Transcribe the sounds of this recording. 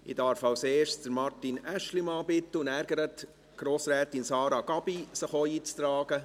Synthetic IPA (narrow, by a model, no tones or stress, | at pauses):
ɪ̰dɑːɾfɑwseːʃd̥əɾmɑrtinæʃlimɑːbɪtːəʊndæɾɡ̥əɾət | ɡ̥ɾoːsɾɛːtinsɑːɾɑɡ̥ɑb̥isəχoiːt͡st̪ɾɑːɡ̥ə